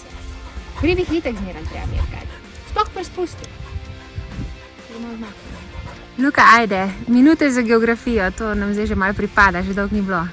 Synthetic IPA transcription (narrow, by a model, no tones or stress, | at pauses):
pɾiʋixit̪ɛkzmeːɾanp̪ɾɛ̰a̰mḛɾka̰t̪ | spɔxpɾɛspust̪i | t̪onaznak | lukaʔaːjd̪ɛminuːt̪ɛzaɡɛɔɡɾafijɔt̪oːnamzejʒemalpɾipaːd̪aʒed̪ɔwkniblo